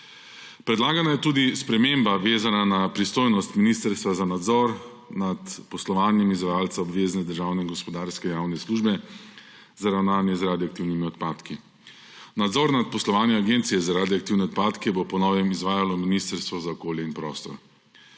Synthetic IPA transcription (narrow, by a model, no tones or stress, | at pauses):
pɾɛd̪laːɡanajɛt̪uːd̪ispɾɛmembaʋeːzananapɾist̪oːjnɔst̪minist̪əɾst̪ʋazanad̪zɔɾ | nat̪pɔslɔʋaːnjɛmizʋajaːlt̪saɔbʋeːznɛd̪əɾʒaːwnɛinɡɔspɔd̪aɾskɛjaːwnɛsluʒbɛ | zaɾawnaːnjɛzɾaːd̪iɔak̚t̪iwnimiɔt̪paːt̪ki | nad̪zɔɾnat̪̚pɔslɔʋaːnjɛaɡeːnt̪sijɛzaɾaːd̪jɔakt̪iwnɛɔt̪̚paːt̪kɛbopɔnɔːʋjɛmizʋaːjalɔminist̪əɾst̪ʋɔzaɔkoːljɛinpɾɔːst̪ɔ̰ɾ